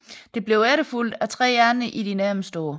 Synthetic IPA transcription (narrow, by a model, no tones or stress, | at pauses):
d̥e̝b̥le̝ʊæɾəful̰d̥æt͡sʰʁɛ̰ːjæɐnəʔid̥inæɐmsd̥ɔː